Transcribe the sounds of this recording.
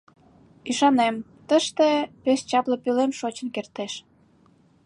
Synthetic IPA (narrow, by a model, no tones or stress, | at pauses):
iʃɑnem | t̪əʃt̪epest͡ɕɑplə̆pylemʃot͡ɕə̆nkert̪eʃ